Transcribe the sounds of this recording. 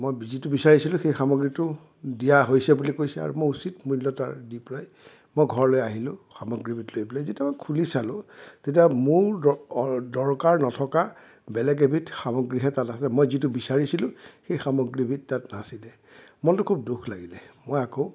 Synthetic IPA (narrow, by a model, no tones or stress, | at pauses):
mojzitubisaɹisilʊ̃xejxamɔɡɹitʊ | dijaɦojsɛbulikojsɛa̰ɹṵmojusit̚mulɔta̰ɹdipɹaj | mojɡʱɔɹlojaɦilʊ̃xamoɡɹibʱitlojbɔlajzetiamokʰulisalʊ̃tet̬iamʊɹ | dɔɹkaɹnɔtʰɔka | bɛlɛɡ̬ebʱitxamɔɡɹiɦɛtatasɛmojzit̬ʊbisaɹisilʊ̃xejxamoɡɹibʱitːatnasilɛ | mɔntʊkʰub̚dukʰlaɡilɛmojako